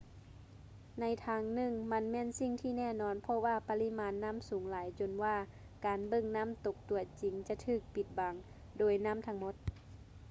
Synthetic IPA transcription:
na˧˥jt̪ʰaː˧ŋnɯ˧˩˨ŋma˧˥˨nmɛː˧˥˨nsi˧˩ŋt̪ʰiː˧˩nɛː˧˥˨nɔː˧˥˨npʰɔ˧waː˧˨pa˧li˧˥˨maː˨˦˥nːa˧˥˨msuː˨˦ŋlaː˨˦jt͡ɕo˧˩nwaː˧˩ | kaː˨nbɤ˧˨ŋna˧˥˨mt̪o˧˩k̚t̪u˨˩ət̚t͡ɕi˨˦ŋt͡ɕa˧˦t̪ʰɯː˧˩k̚pi˨˧t̪̚ba˨˦ŋ | doː˨˩jna˧˥˨mt̪ʰa˧ŋmo˧˥˦t̪̚

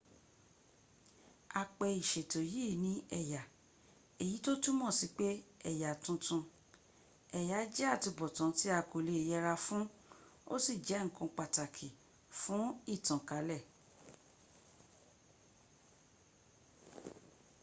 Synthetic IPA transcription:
a˧k͡pɛ˧i˨ʃe˨to˨jeː˦˨nĩ˨˦ɛ˦˨ja˨ | e˨ji˨˦to˦tu˦mɔ̃˦˨si˨˦k͡pe˦ɛ˦˨ja˨tũ˧tũ˧ | ɛ˨ja˨˦d͡ʒɛ˦a˦˨ti˧bɔ˨tɔ̃˨˦ti˦a˦˧˨ko˨le˧˨jɛ˧ɾa˧fũ˦o̰˦si˦˨d͡ʒɛ˨˦ŋ̩˨kɔ̃˧k͡pa˨ta˨kʰi˨ | fũ˨˦i˦˨tɔ̃˨ka˨˦lɛ˦˨

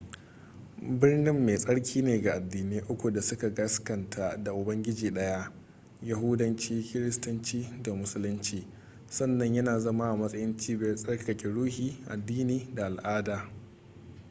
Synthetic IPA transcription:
bɪ˦rnɪ˦mːeː˨sʼɐ˦ɽkʲʰiː˦neː˨ɡa˨ʔa˨dːiː˨niː˦ʔʊ˦kʷu˨da˨sʊ˦ka˨ɡɐ˦skɐ˨ntʰa˦da˨ʔʊ˨bɐ˦ŋɡʲɪ˦d͡ʒiː˨ɗɐ˦ja˦ʔ | ja˨ɦʊ˦dɐ˦nt͡ʃiː˦kʲɪ˦ɾɪ˦stʊ˦nt͡ʃiː˦da˨mʊ˦sʊ˦lʊ˦nt͡ʃiː˨ | sɐ˦nːɐ˨ɲjɐ˦naː˨zɐ˦maː˦ʔa˨mɐ˦sʼɐ˦jɪ˦nt͡ʃiː˦bɛ˦sʼɐ˦ɽkkɐ˨kʲɛ˨ɽuː˦hiː˨ʔa̰˨dːiː˦niː˦da˨ʔa˨lʔaː˦daː˨

